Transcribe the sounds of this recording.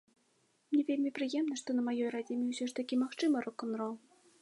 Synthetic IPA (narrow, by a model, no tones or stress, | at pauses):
mnʲɛvʲelʲmʲipɾɨjɛmnɐʂt̪ɔnɐmajɔjrad͡zʲimʲiwsʲɔʂt̪akʲimaxt͡ʂɨmɐɾɔkɔnɾɔlw̪ˠ